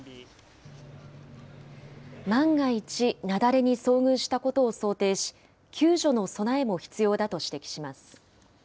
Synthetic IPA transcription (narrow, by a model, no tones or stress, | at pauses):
mãŋɡait͡ɕinad̪aɾe̞ɲ̟iso̞ːŋɯ̟̃ɰ̃ɕi̥t̪ako̞t̪o̞ːso̞ːt̪e̞ːɕi̥ | kʲʰɨːʑo̞no̞so̞nae̞mo̞çi̥t͡sɨjo̞ːd̪at̪o̞ɕi̥t̪e̞kʲi̥ɕimasɨ̥